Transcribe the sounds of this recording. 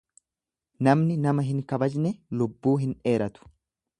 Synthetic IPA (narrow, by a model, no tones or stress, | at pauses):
nɐmnɪnɐmɐɦɪŋkɐbɐd͡ʒnɛlʊbːuːɦɪne̞ːɾɐt̪ʊ̥